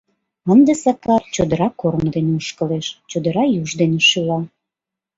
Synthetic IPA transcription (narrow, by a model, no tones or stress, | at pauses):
ə̆nd̪esɑkɑpt͡ɕod̪ə̆ɾɑkːorməd̪eneuʃkəleʃt͡ɕod̪əɾɑjuʒd̪eneʃulɑ